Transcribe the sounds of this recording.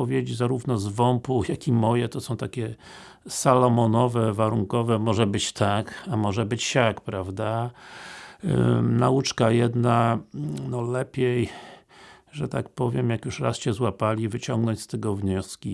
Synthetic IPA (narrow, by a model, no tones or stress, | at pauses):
ɔvʲjed͡ʑzaɾuvnɔzvɔmpujakimɔjɛt̪ɔsɔ̃w̃t̪akʲɛ | salɔmɔnɔvɛvaɾuŋkɔvɛmɔʐɛbɘt͡ɕt̪ʰakamɔʐɛbɘt͡ɕɕakpɾavd̪a | naut͡ʂkajɛd̪nanɔlɛpʲjej | ʐɛt̪akpɔvʲjɛmjakjuʂɾa̰sɕɛzwapalʲivɘt͡ɕɔŋɡnɔɲt͡ɕʲst̪ɛɡɔvɲɔskʲi